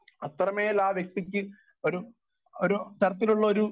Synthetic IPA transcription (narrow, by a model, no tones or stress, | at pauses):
ɐt̪rɐmeːilaːʋjek̚t̪ikʲːɨ | oɾu | oɾut̪ɐɾɐt̪ːiluɭːɐoɾu